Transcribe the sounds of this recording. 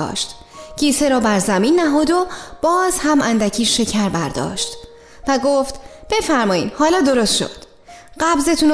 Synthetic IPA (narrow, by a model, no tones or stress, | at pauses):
ʃt̪ | cʰiːseɾɒːbæɾzæmiːnːæɦɔːd̪ob̥ɒːz̥hæmʔænd̪æcʰiːʃːe̞cʰæɾbæɾd̪ɒ̰ːʃt̪ | væɡoːft̪b̥e̞fæɾmɒːiːd̪hɒːlɒːd̪o̞ɾost̪ʃo̰d̪̥ | ɢæbze̞t̪ʰun